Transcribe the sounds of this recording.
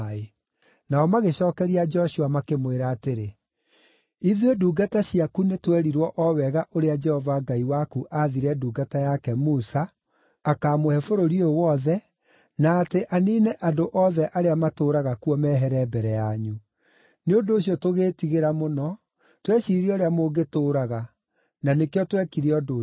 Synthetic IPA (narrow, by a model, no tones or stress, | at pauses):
e | naɔmaɣeɕɔːkɛɾiad͡ʒɔɕuamakemweɾaːteɾe | iðueduːɡataɕiakunetwɛɾiɾwɔʔɔwɛɣaʔoɾead͡ʒɛhɔvaɡaiwakuʔaðiɾɛduːɡatajakɛmusaː | kaːmohɛfoɾoɾiowɔðɛ | naːteʔaniːneʔandoʔɔðɛʔaɾeamatoːɾaɣakuɔmɛːɦɛɾɛbɛɾɛjaɲu | neondoːɕjɔtoɣeːtiɣeɾamonɔ | twɛɕiːɾioɾeamoɡetoːɾaɣa | nanekeɔtwɛkiɾiɔdo